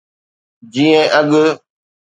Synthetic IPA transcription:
d͡ʒiɛ̃ʔaɡə

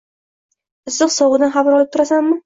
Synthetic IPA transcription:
ɨzːɨqsɒwʁɨd̪anχabɾɒlˠɪp̚t̪ʰʊɾasamːɪ

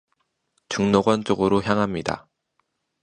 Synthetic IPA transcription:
t͡ɕuŋnoɡwant͡ɕ͈oɡɯɾoçjaŋɦamɲida̰

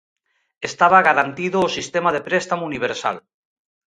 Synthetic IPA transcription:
est̪aβaɣ̞aɾant̪iðoːsist̪emaðepɾest̪amouniβ̞eɾsa̰l

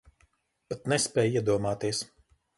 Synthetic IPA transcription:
at̪nɛspʲɛːjiɛd̪uɔmaːt̪iɛs

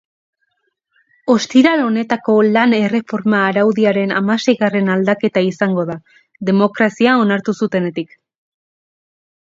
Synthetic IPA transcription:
o̞st̪iɾalo̞ne̞t̪ako̞lane̞re̞fo̞ɾmaːɾawðiaɾe̞na̰mase̞jɣare̞nald̪ake̞t̪aisaŋɡo̞ða | ðe̞mo̞kɾasiao̞naɾt̪usut̪e̞ne̞t̪ik

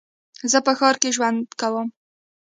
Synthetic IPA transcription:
zəpəxɑɾkeʒwand̪kawəm

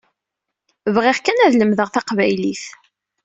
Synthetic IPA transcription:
vʁɪʁkænæðləmðəʁθɑqvæjliθ

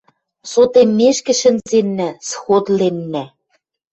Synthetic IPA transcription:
sot̪emːeʃkɘ̆ʃɘ̆nzenːæsxot̪lenːæ

